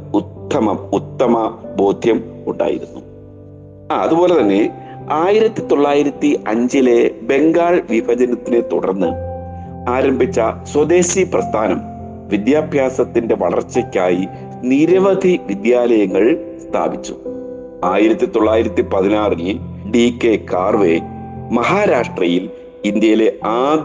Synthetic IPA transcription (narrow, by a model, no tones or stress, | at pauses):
ut̪ːɐmɐmut̪ːɐmɐbo̞ːd̪ʱjɐmuɳɖa̰ːjḭɾunːu | aɐðubo̞ːle̞t̪ɐnːe̞ | aːjiɾɐt̪ːit̪o̞ɭːaːjiɾɐt̪ːiɐɲd͡ʑile̞be̞ŋɡaːɻʋibʱɐd͡ʑɐnɐt̪ːinet̪uɽɐ̰rnːɨ | aːɾɐmbʱit͡ɕːɐswɐd̪e̞ːɕiprɐst̪ʰaːnɐm | ʋid̪jaːbʱjaːsɐt̪ːinde̞ʋɐɭɐ̰rt͡ɕːɐkʲːaːji | niɾɐʋɐd̪ʱiʋid̪jaːlɐjɐŋːɐɭst̪ʰa̰ːbit͡ɕːu̥̰ | aːjiɾɐt̪ːit̪o̞ɭːaːjiɾɐt̪ːipɐðinaːriɨɖikːe̞kaːrʋe̞ | mɐɦaːɾaːʂʈrɐjil | ind̪jɐjile̞aː